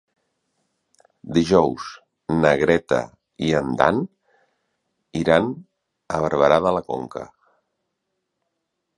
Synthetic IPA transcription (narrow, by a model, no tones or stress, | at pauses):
d̪iʒɔwz | nəɣɾɛt̪ə̰ | iənd̪a̰n | iɾan | əβ̞əɾβəɾaðələko̰ŋkə̰